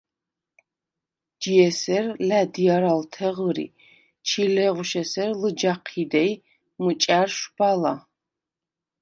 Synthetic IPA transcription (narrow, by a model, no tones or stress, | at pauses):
d͡ʒijɛsɛrlad̪ijaɾalt̪ʰɛʁəɾḭ | t͡ʃʰilɛʁuʃɛsɛrlɨd͡ʒaqʰid̪ɛj | mɨt͡ʃʼarʃbala